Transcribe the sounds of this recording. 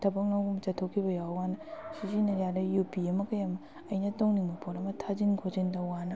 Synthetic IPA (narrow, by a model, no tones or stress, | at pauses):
tʰɐbɐk̚nɐwɡumt͡ʃɐtʰːokʰibɐjawwanɐsizinɐɾjadɐjupiɐmɐkɐjɐmɐ | ɐjnɐtoŋniŋmɐpʰoɾɐmɐtʰazinkʰozindɐwanɐ